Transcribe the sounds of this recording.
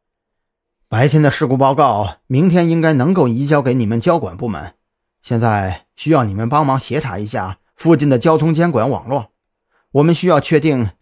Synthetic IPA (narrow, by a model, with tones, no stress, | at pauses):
pa˧˥ɪt̪ʰjɛ˥nd̪ə˨ʂɻ̩˥˧ku˥˩pɑ˥˧ʊkɑ˥˩ʊmi˧˥ŋt̪ʰjɛ˥ni˥ŋka˥ɪnɤ˧˥ŋko˥˩ʊi˧˥t͡ɕjɑ˥ʊke˧˥ɪni˨˩mə˦nt͡ɕjɑ˥ʊkwa̰˨˩npu˥˩mə̰˧˥˦n | ɕjɛ˥˧nt͡sa˥˩ɪ | ɕy˥jɑ˥˩ʊni˨˩mə˦npɑ˥ŋmɑ˧˥ŋɕjɛ˧˥ʈ͡ʂʰa̰˧˥i˧˥ɕja̰˥˩ | fu˥˧t͡ɕi˥˩nd̪ə˩t͡ɕjɑ˥ʊt̪ʰʊ˥ŋt͡ɕjɛ˥nkwa˧˥nwɑ̰˨˩ŋlwɔ˥˩ | wɔ˨˩mə˧˦nɕy˥jɑ˥˧ʊt͡ɕʰɥɛ˥˧t̪i˥˩ŋ